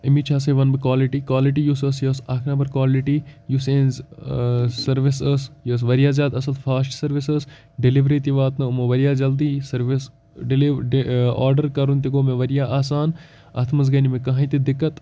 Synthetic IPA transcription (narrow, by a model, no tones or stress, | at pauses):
imit͡ʃʰaːs̬ɐʋɐnbɨkwaːliʈiːkwaːliʈijusəsjɐːsakʰnaːbɐɾkwaːliʈijusẽːnz | sɐɾʋisəsjɐːs̬ʋɐɾijaːzʲjaːd̪ɐsɐlfʰaːsʈsɐɾʋisəs | ɖɪliʋɾeːt̪iʋaːt̪nɨmoʋɐɾijaːd͡ʒɐld̪iːsɐɾʋis | ɖliɖa̰ːɾɖəɾkɐɾunt̪iɡoːmẽʋɐɾijaːʔaːsaːn | ɐ̰t̪ʰmɐzɡɐnimẽkɐɦãt̪id̪ɪkːɐt̪